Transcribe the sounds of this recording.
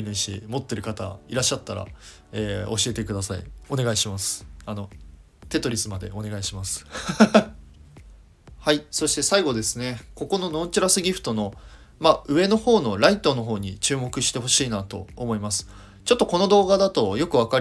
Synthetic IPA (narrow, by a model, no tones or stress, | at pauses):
nẽɕḭmo̞t̪ːe̞ɾɯ̟kat̪a̰iɾaɕːat̪ːaɾa̰ | eːo̞ɕie̞t̪e̞kɯ̟d̪asaḭo̞ne̞ɡaiɕimasɨ̥ano̞ | t̪e̞t̪o̞ɾʲisɨmad̪e̞̰ʔo̞ne̞ɡaiɕimasɨ̥ | haiso̞ɕi̥t̪e̞saiɡo̞d̪e̞sɨne̞ko̞ko̞no̞no̞ːt͡ɕiɾasɨɡʲiɸɯ̟̥t̪o̞no̞ | maɯ̟βe̞no̞ho̞ːno̞ɾait̪o̞no̞ɦo̞ːɲ̟it͡ɕɨːmo̞kɯ̟ɕi̥t̪e̞ɦo̞ɕiːnat̪o̞̰ːmo̞imasɨ̥ | t͡ɕo̞t̪ːo̞ko̞no̞d̪o̞ːɡad̪at̪o̞jo̞kɯ̟βaka